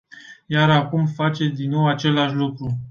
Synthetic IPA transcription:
jaɾakumfat͡ʃe̞d̪inːo̞wat͡ʃe̞laʃʲlukɾu

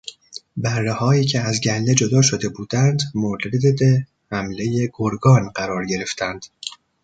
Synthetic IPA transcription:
bæɾːehɒːiːcʰeæzɟælne̞d͡ʒo̞d̪ɒːʃo̞d̪e̞buːd̪̥ænd̪molɾed̪ed̪e | hæmle̞je̞ɡ̥oɾɡɒːnɢæɾɒːɾɟe̞ɾe̞ft̪ʰænd̪̥

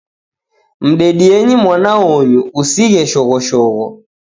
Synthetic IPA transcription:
m̩ɗɛɗiɛɲimwanaɔjuusiɣɛʃɔɣɔʃɔɣɔ

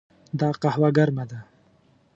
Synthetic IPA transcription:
d̪ɑːqahwaɡaɾmad̪a

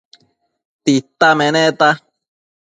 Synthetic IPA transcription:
t̪it̪ːamẽnẽt̪a

